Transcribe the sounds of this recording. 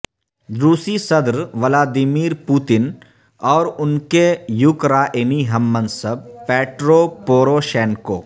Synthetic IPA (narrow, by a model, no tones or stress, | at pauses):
ɾuːsisɐd̪ɾʋəlaːd̪ɪmiːɾpuːt̪ɪn | ɔːɾʊnkejʊkɾaːʔɪniɦɐmːɐ̃nsəb̚peːʈɾoːpoːɾoːʃɛːnko̰ː